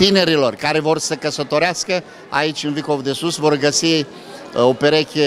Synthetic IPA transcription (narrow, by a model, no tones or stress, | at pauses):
t̪ine̞ɾilo̞rkaɾe̞vo̞rsəkəsət̪o̞ɾeaskə | a̰it͡ʃʲɨnviko̞vd̪e̞susvo̞rɡəsi | o̞pe̞ɾekʲe